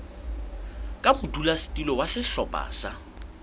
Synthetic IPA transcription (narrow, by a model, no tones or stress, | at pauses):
kʼabʊdulasi̥tʼilɔwasɪɬɔpʼa̰ːsa